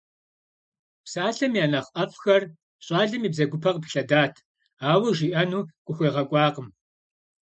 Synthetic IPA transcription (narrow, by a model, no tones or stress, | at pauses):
psaːɬɐmjaːnɐχʔɐfxɐr | ɕʼɑːɮɨmiːbzɐɡʷʊpʰɐqpɬɐdaːtʰ | aːwɐʒiːʔɐnuːkʷʼʊxʷeːʁɐkʷʼɑːqəm